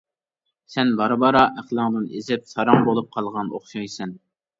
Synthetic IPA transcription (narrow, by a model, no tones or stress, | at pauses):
sɛnbɑɾɨbɑɾɑʔæχlˠɨŋd̪ɨnezɪp̚sɑɾɑŋbolˠup̚qʰɑlˠʁɑnoχʃɑjsɛn